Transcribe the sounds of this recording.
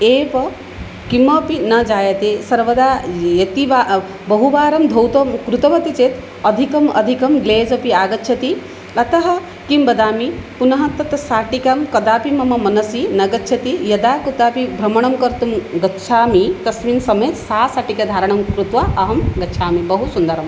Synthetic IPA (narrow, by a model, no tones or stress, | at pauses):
eːʋɐ | kimɐpinɐd͡ʒaːjɐt̪eːsɐɾʋɐd̪aːjɐt̪iʋa | bɐɦuʋaːɾɐmd̪ʱɐwt̪ɐmkɾut̪ɐʋɐt̪it͡ʃeːt̪ | ɐd̪ʱikɐmɐ̰d̪ʱikɐmɡleːd͡ʒɐpiaːɡɐtːʃʰɐt̪i | ɐt̪ɐɦɐ̆ | kimbɐd̪aːmipunɐɦɐt̪ːɐt̪saːʈikɐmkɐd̪aːpimɐmɐmɐnɐsinɐɡɐtːʃʰɐt̪ijɐd̪aːkɾut̪aːpibʱɾɐmɐɳ̃ɐmkɐɾt̪umɡɐtːʃʰaːmit̪ɐsminsɐmɐjt̪saːsaːʈikɐd̪ʱaːɾɐɳ̃ɐmkɾut̪ʋɐʔɐɦɐmɡɐtːʃʰaːmibɐɦusund̪ɐɾɐm